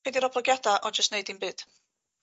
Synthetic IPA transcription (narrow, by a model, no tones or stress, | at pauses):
ɛdiɾɔblˠɔɡjadaʔɔd͡ʒəstneɨdinbɨːd̥